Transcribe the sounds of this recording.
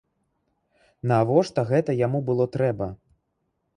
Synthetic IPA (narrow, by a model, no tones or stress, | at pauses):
navɔʂt̪ɐɣɛt̪ɐjamubɨlˠɔt̪ɾɛbɐ